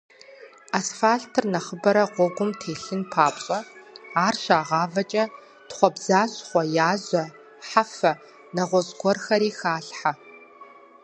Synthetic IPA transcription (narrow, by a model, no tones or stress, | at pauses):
aːsfaːɬtʰɨrnɐχəbɐɾɐʁʷɔɡʷʊmtʰeːɬɨnpʰaːpʼɕʼɐaːrʃaːʁɑːvɐt͡ʃʼɐ | tχʷɔbzaːɕʼχʷɔjaːzɐ | ħafɐ | nɐʁʷɔzɡʷɔrxɐɾiːxaːɬħa